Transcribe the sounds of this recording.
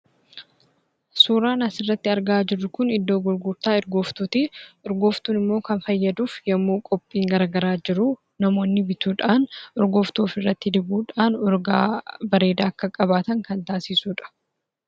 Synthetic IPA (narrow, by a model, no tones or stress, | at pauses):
suːɾaːnɐsɪrːɐt̪ːɪɐɾɡaːd͡ʒɪrːʊkʊnɪd̪ːo̞ːɡʊɾɡʊɾt̪aːɪɾɡo̞ːft̪uːt̪ɪʔɔɾɡo̞ːft̪uːnɪmːo̞ːkɐnfɐjːɐd̪uːfjɐmːuːkʼɔpʼːiːŋɡɐɾɐɡɐɾaːd͡ʒɪɾʊ | nɐmo̞ːnːɪbɪt̪uːᶑaːnɔɾɡoːft̪oːfɪrːɐt̪ːɪd̪ɪbuːᶑaːnɔɾɡa̰ːbɐɾe̞ːd̪aːɐkːɐkʼɐbaːt̪ɐŋkɐnt̪aːsɪsuːᶑɐ̥